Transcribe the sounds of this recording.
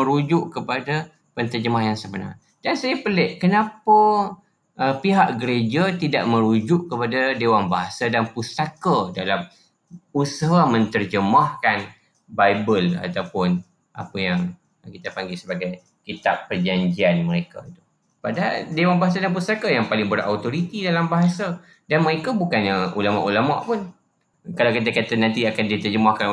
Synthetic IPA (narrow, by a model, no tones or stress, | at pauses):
əɾud͡ʒʊʔkəpada | pənt̪ərd͡ʒəmaɦjaŋsəbəna̰ŋ | dansajapəlɛʔkənãpəː | piɦaʔɡəɾed͡ʒat̪idaʔmə̃ɾud͡ʒʊʔkəpadadewanbaɦasadanpust̪akadalam | usəɦamə̃nt̪ərd͡ʒəmahkan | bajbəla̰t̪awpʊn | ʔa̰pəjaŋ | kit̪apaŋɡilsəbaɡaj | kit̪appːərd͡ʒaɲd͡ʒianməɾeka̰it̪u̥ | padaaldewanbaɦas̬adanpust̪akajaŋpalɪŋbəra̰wt̪oɾit̪idalambaɦasa | danməɾekabukanaṵlama̰ʔulama̰ʔpʊn | kalawkit̪̬akat̪anãnt̪̬iakandit̪ərd͡ʒəmahkan